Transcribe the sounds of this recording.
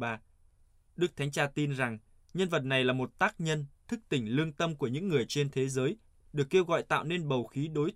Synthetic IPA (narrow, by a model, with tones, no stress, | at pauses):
aː˧ | ɗɨ˦˥k̚t̪ʰa˨˦ŋ̟t͡ɕaː˧t̪i˧nza˨˩ŋ | ɲə˧nvə˨˩t̚na˨˩jlaː˨˩mo˨˩t̚t̪aː˦˥k̚ɲə˧nt̪ʰɨ˦˥k̚t̪ï˧˩ŋ̟lɨ˧əŋt̪ə˧mku˧˩əɲɨ̰˧˥ŋːɨ˨˩əjt͡ɕe˧nt̪ʰe˨˦zəː˨˦j | ɗɨ˨˩əkːe˧wɣɔ̰˧˨jt̪a̰ː˧˨wne˧nɓə˨˩wxi˨˦ɗo˨˦j